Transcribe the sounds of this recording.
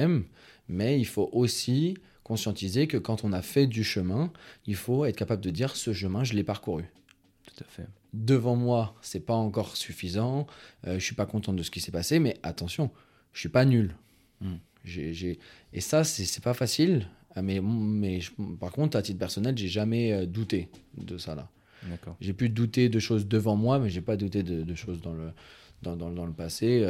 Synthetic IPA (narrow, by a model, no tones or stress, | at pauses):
ɛm | mɛilfoʔosi | kɔ̃sjɑ̃t̪izekəkɑ̃t̪ɔ̃nafɛd̪yʃəmɛ̃ilfoɛt̪χəkapabləd̪əd̪iʁsəʃ̬əmɛ̃ʒəlɛpaʁkuʁy | t̪u̥t̪ḁfɛ | d̪əvɑ̃mwasɛpaɑ̃kɔʁsyfizɑ̃øʒəsɥipakɔ̃t̪ɑ̃t̪̚d̪əsə̥kʲisɛpasemɛʔat̪ɑ̃sjɔ̃ | ʒə̥sɥipanyl | ʒeʒeesasɛsɛpafasilmɛmmɛʒə̃paʁkɔ̃t̪χat̪it̪pɛʁsɔnɛlʒeʒamɛød̪ut̪ed̪əsala̰ | d̪akɔʒepyd̪ut̪ed̪əʃozd̪əvɑ̃mwamɛʒepad̪ut̪ed̪əd̪əʃozd̪ɑ̃ləd̪ɑ̃d̪ɑ̃d̪ɑ̃ləpaseø